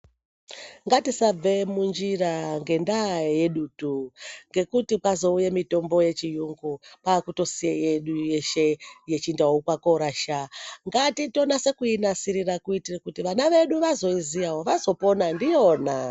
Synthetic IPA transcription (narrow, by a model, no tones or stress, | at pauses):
ŋɡatisab͡vemund͡ʒiraŋɡe̞ndaje̞ɗuːtuŋɡe̞kutipwazo̞ujemito̞mbo̞je̞t͡ʃijuŋɡupaːkuto̞siejeɗuje̞ʃe̞jet͡ʃindaukwakoɾaʃaŋɡatito̞nase̞kuinasiɾirakuitirakutiʋanaʋe̞ɗuʋazo̞izijawoʋazo̞po̞nandijo̞ːna